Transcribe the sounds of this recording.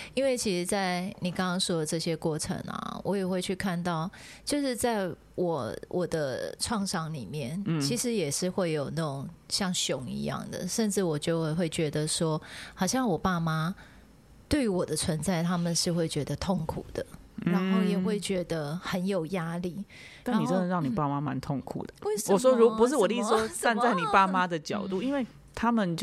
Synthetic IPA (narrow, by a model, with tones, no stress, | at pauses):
i˥nwe˥˩ɪt͡ɕʰi˧˥ʂɻ̩˧˥t͡sa˥˩ɪni˨˩kɑ˥ŋkɑ˥ŋʂwɔ˥d̪ə˨ʈ͡ʂɤ˥˩ɕjɛ˥kwɔ˥˩ʈ͡ʂʰə̰˧˥ŋɐ̰˨˩wʔɔ˧˥jɛ˨˩xwe˥˧ɪt͡ɕʰy˥˧kʰa˥˧nt̪ɑ˥˩ʊt͡ɕjo˥˧ʊʂɻ̩˥˧t͡sa˥˩ɪ | wɔ˨˦wʔɔ˨˩d̪ə˦ʈ͡ʂʰwɑ˥˧ŋʂɑ˥˩ŋli˨˩mjɛ˥˩nt͡ɕʰi˧˥ʂɻ̩˧˥jɛ˨˩ʂɻ̩˥˧xwe˥˩ɪjo˨˩ʊnə˥˩ʈ͡ʂʊ˨˩ŋɕjɑ˥˩ŋɕjo˨˥˦ŋḭ˧˥jɑ̰˥˩ŋd̪ə̰˩ʂə˥˧nʈ͡ʂɻ̩˥˩wɔ˨˩t͡ɕjo˥˧ʊ˥˧ɪxwe˥˩ɪt͡ɕɥɛ˧˥d̪ə˨ʂwɔ˥xɑ˨˩ʊɕjɑ˥˩ŋwɔ˨˩pa˥˧ma˦ | t̪we˥˩ɪ˥wɔ˨˩d̪ə˦t͡sʰwə˧˦nt͡sa˥˩ɪt̪ʰa˦˥mə˨nʂɻ̩˥˧xwe˥˩ɪt͡ɕɥɛ˧˥d̪ə˧t̪ʰo˥˩ŋkʰṵ˨˩d̪̥ə˦ɻa˧˦nxo˥˩ʊjɛ˨˩xwe˥˩ɪt͡ɕɥɛ˧˥d̪ə˧xə˧˦njo˨˩ʊja˦˥li˥˨˩ | a˥˨a˧˥ni˨˩ə˦n˧nə˨˦ɻɑ˥˩ŋni˨˩pa˥˩ma˦ma˧˦nt̪ʰo˥˩ŋkʰṵ˨˩d̪ə˦we˥˩ʂəwɔ˨˩ʂwɔ˥ɻu˧˦pu˧˦ʂ̬̩˥˩wɔ˨t̪swɔ˥sa˥˧nt͡sa˥˩ɪni˨˩pa˥˩ma˦d̪ə˨t͡ɕjɑ˨ʊt̪u˥˨i˦nwe˥˩ɪ | t̪ʰa˥mə˨nt͡ɕ